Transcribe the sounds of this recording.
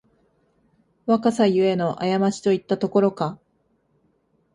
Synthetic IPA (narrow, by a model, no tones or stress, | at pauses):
βakasajɯ̟e̞no̞ʔajamaɕi̥t̪o̞it̪ːat̪o̞ko̞ɾo̞ka